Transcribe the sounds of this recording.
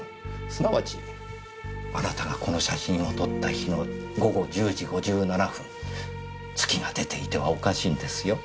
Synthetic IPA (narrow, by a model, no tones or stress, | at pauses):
sɨnaβat͡ɕi̥ | aɾat̪aɡako̞no̞ɕaɕĩɰ̃o̞t̪o̞t̪ːaçino̞ɡo̞ɡo̞d͡ʑɨːʑiɡo̞ʑɨːnanaɸɯ̟̃n | t͡sɨ̥kʲiɡad̪e̞t̪e̞it̪e̞βa̰o̞kaɕĩːnd̪e̞sɨjo̞